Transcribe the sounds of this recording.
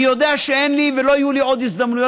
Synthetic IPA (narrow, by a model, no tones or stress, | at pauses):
jod̪eʕʃeʔenliːvɪloːjuliʕod̪jɪsd̪amnujo